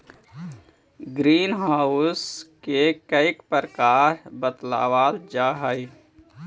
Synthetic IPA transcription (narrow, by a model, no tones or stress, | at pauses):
ɡɾiːnɦaːʊskekəɪkpəɾkaːɾbət̪la̰ːwaːld͡ʒaːɦai